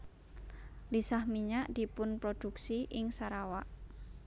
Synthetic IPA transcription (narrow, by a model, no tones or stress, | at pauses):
lisahmiɲaʔd̪̥i̤pʊnpɾod̪̥uksiʔɪŋsaɾawaʔ